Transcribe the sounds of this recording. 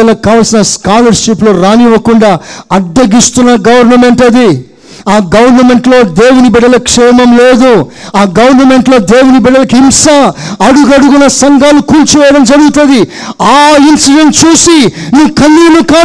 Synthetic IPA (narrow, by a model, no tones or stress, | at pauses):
ɐlɐkaːʋɐlsinɐskaːlɐɾʂiploːɾaːniʋɐkuɳɖaːɐɖːɐɡist̪unːɐɡɐʋɐɾnɐmeɳʈɐd̪i | aːɡɐʋɐɾnɐme̞ɳʈlo̞ːd̪eːwunibɛɽɐlɐkʂɛːmɐmleːd̪u | aːɡɐʋɐɾnɐme̞ɳʈlo̞ːd̪eːwunibɛɽɐlɐkimsaːɐɽuɡɐɽuɡunɐsɐŋɡaːlukunt͡ʃuʋɛːjɐɽɐmd͡ʒɐɽuɡut̪und̪i | aːinsiɖeɳʈt͡ʃuːsinuʋkɐnːiːnukaː